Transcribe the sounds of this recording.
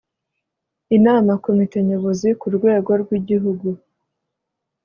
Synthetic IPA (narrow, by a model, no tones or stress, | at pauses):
inaːmakomite̞ɲo̞βozikuɾɡwe̞ːɡoɾɡwiɟiɦuɡu